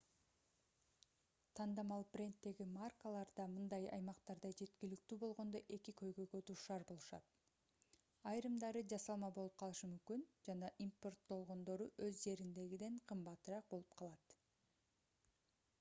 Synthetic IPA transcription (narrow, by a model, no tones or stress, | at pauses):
t̪ʰɑnd̪ɑmɑlˠbrʲe̞nt̪ːe̞ɡimarkəlˠɑɾd̪ɑmɯnd̪ɑjɑ̰jmɑqt̪ɑɾd̪ɑd͡ʒe̞t̪kilyk̚t̪yːbo̞lˠʁo̞nd̪o̞ʔe̞kikʰø̞jɡø̞jɡøt̪ʰuʃɑɾbo̞lˠuʃɑ̰t̪ | ɑjɾɯmd̪ɑɾɯd͡ʒɑsɑlˠmɑbo̞lˠup̚qʰɑlˠɯʃɯmymkynd͡ʒɑnɑʔimpo̞rt̪̚bo̞lˠʁo̞nd̪o̞ɾuʔøzd͡ʒe̞ɾind̪e̞ɡid̪e̞ɴqʰɯmbɑt̪ɯɾɑq̚bo̞lˠup̚qʰɑlˠɑt̪